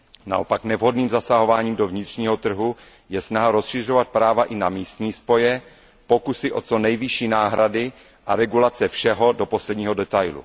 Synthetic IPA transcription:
na̰ʔo̞̰paknɛvɦo̞dniːmzasaɦo̞vaːɲiːmdo̞vɲɪt̪r̝̥ɲiːɦo̞t̪r̩ɦu | jɛsnaɦaɾo̞sʃɪr̝o̞vat̪̚pɾaːvaʔɪnamiːst̪ɲiːspo̞jɛ | po̞kusɪʔo̞t͡so̞nɛjvɪʃiːnaːɦɾadɪ | ʔaɾɛɡulat͡sɛfʃɛɦo̞do̞po̞slɛdɲiːɦo̞dɛt̪ajlṵ

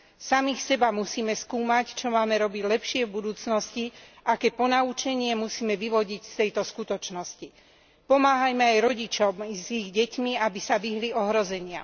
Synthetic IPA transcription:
samixsɛbamusiːmɛskuːmact͡ʃɔmaːmɛɾɔbiɟlɛpʃɪɛvbud̪uːt͡snɔsciʔakɛːpɔnaut͡ʃɛɲɪɛmusiːmɛʋiʋɔɟicst̪ɛjt̪ɔskut̪ɔt͡ʃnɔsci | pɔmaːɦajmɛajɾɔɟit͡ʃɔmziɣɟɛcmiabisaʋiɦliɔɦɾɔzɛɲɪa̰

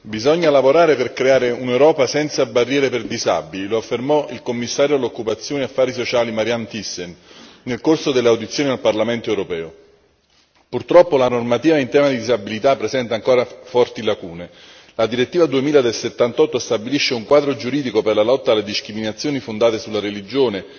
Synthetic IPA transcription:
bizɔɲːalavoɾaːɾeperkɾeaːɾeunewɾɔːpasɛnt̪sabarːjɛːɾeperd̪iza̰bililoafːermɔʔilkomːisːaːɾjoalːokːupat̪sːjoːneafːaːɾisot͡ʃaːlimaɾjant̪isːennelkorsod̪elːeawd̪it̪sːjoːnialparlament̪oɛwɾopɛːo | purt̪ɾɔpːolanormat̪iːvaint̪ɛːmad̪id̪izabilit̪apːɾezɛnt̪aŋkoːɾafɔrt̪ilakuːne | lad̪iɾet̪ːiːvad̪uemiːlad̪elset̪ːant̪ɔt̪ːost̪abiliʃːeuŋkwaːd̪ɾod͡ʒuɾiːd̪ikoperlalɔt̪ːaːlːed̪iskɾiminat̪sːjoːnifond̪aːt̪esulːaɾelid͡ʒoːne

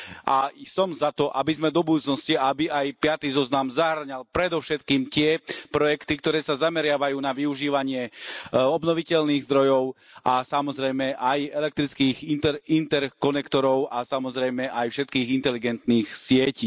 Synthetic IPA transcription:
ʔasɔmzat̪ɔʔabizmɛd̪ɔbud̪uːt͡snɔsciabiajpɪat̪iːzɔznamzaɦɾɲalpɾɛd̪ɔʊʃɛt̪kiːmc̪ɪɛpɾɔjɛkt̪ikt̪ɔɾɛːsazamɛɾɪaʋajuːnaʋiuʒiːʋaɲɪɛɔbnɔʋicɛʎniːɣzd̪ɾɔjɔʊ | ʔasamɔzɾɛjmɛʔajɛlɛk̚t̪ɾit͡skiːɣint̪ɛɾint̪ɛɾkɔnɛkt̪ɔɾɔʊʔasamɔzɾɛjmɛʔajfʃɛt̪kiːɣint̪ɛliɡɛnt̪niːxsɪɛciː

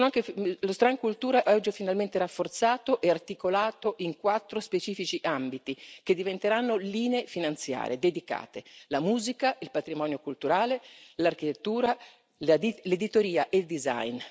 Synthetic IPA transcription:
onoaŋkeflost̪ɾaŋkult̪uːɾaʔɔd͡ʒːifinalment̪erafːort̪saːt̪oʔɛart̪ikolaːt̪oʔiŋkwat̪ːɾospet͡ʃiːfit͡ʃiʔambit̪iked̪ːivent̪eɾanːoliːneefinant̪sja̰ːɾḛd̪ed̪ika̰ːt̪elamuːzikailpat̪ɾimɔːnjokult̪uɾaːlelark̟it̪et̪ːuːɾa | lled̪it̪oɾiːaʔeld̪iza̰jn

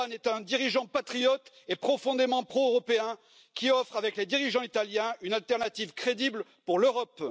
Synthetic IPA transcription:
nɛt̪ɛ̃d̪iʁiʒɑ̃pat̪χijɔt̪ | epχɔfɔ̃d̪emɑ̃pχoøʁɔpeɛ̃ | kʲiɔfχavɛkled̪iʁiʒɑ̃it̪aljɛ̃ynalt̪ɛʁnat̪ivkχed̪iblpuʁløʁɔp

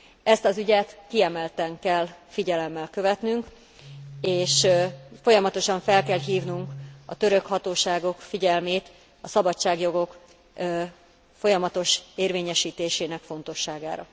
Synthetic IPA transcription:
ɛst̪ɒzyɟɛt̪kiɛmɛlt̪ɛŋkɛlːfiɟɛlɛmːɛlkø̞vɛt̪nyŋk | eːʃfo̞jɒmɒt̪o̞ʃɒɱfɛlkɛlɦiːvnuŋkɒt̪ø̞ɾø̞khɒt̪oːʃaːɡo̞kfiɟɛlmeːt̪ | ɒsɒbɒt͡ʃːaːɡjo̞ɡo̞kː | fo̞jɒmɒt̪o̞ʃeːrveːɲɛʃiːt̪eːʃeːnɛkfo̞n̪t̪o̞ʃːaːɡa̰ːɾɒ̰

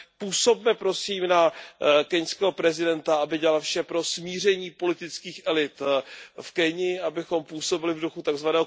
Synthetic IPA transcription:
puːso̞bmɛpɾo̞siːmnakɛɲskɛːɦopɾɛzɪdɛnt̪aabɪɟɛalfʃɛpɾo̞smiːr̝ɛɲiːpo̞lɪt̪ɪt͡skiːxʔɛlɪt̪fkɛɲɪʔabɪxo̞mpuːso̞bɪlɪvduxut̪aɡzvanɛːɦo

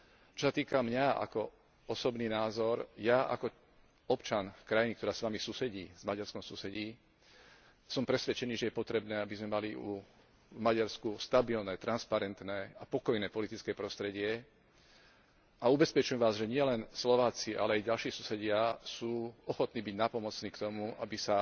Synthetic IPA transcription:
t͡ʃɔsat̪iːkamɲaa̰kɔ | ɔsɔbniːnaːzɔɾjaa̰kɔ | ɔpt͡ʃanfkɾajinikt̪ɔɾaːsʋamisusɛɟiːzmaɟaɾskɔmsusɛɟiː | sɔmpɾɛsʋɛt͡ʃɛniːʒɛjɛpɔt̪ɾɛbnɛːabizmɛmaliṵ | vmaɟaɾskust̪abilnɛːt̪ɾanspaɾɛnt̪nɛːapɔkɔjnɛːpɔlit̪it͡skɛːpɾɔst̪ɾɛɟɪɛ | aubɛspɛt͡ʃuɛmʋaːzʒɛɲɪɛlɛnslɔʋaːt͡siʔa̰lɛajɟalʃiːsusɛɟɪasuːɔxɔt̪niːbiɟnapɔmɔt͡sniːkt̪ɔmuabisa

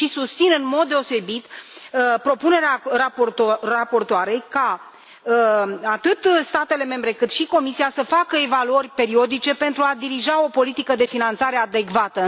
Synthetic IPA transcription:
ʃisust̪sinɨnmo̞d̪̚d̪e̞o̞se̞bit̪ | pɾo̞pune̞ɾeaarapo̞rt̪oaɾe̞jka | at̪ɨt̪st̪at̪e̞le̞me̞mbɾe̞kɨt̪ʃiko̞misiasəfakəe̞valuərʲpe̞ɾio̞d̪it͡ʃe̞pe̞nt̪ɾuad̪iɾiʒao̞po̞lit̪ikəd̪e̞finant̪saɾe̞ad̪e̞kvat̪ə

